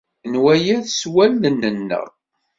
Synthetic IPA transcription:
nwæjæθswælːənːənːə̰ʁ

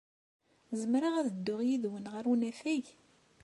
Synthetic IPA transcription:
zəmɾaʁæðəd̪ːʊʁjiðwənʁəɾunæfæʝ

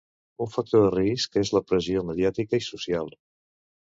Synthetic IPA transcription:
uɱfək̚t̪oðəriskezləpɾəzioməðiat̪ikəisusialˠ

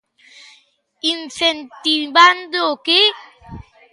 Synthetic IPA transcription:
insɛntiban̩doke

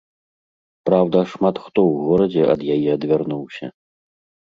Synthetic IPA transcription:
pɾawd̪ɐʂmat̪xt̪ɔwɣɔɾɐd͡zʲɛʔɐ̰d̪jajɛɐd̪vʲarnuwsʲɐ̰

